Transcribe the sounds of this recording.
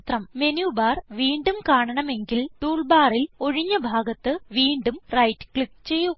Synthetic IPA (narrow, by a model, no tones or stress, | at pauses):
t̪rɐmme̞njubaːrʋiːɳɖumkaːɳɐɳɐme̞ŋɡilʈuːɭbaːrilo̞ɻiɲːɐbʱaːɡɐt̪ːɨʋiːɳɖumrɐjtːkɭikːt͡ɕe̞jːu